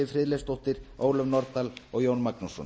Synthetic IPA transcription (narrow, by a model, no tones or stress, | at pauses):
ɪfɾɪðlest̪owht̪ɪɾ̥oːwlœvnɔɾt̪alɔɣjoːwnmaknusɔ̰n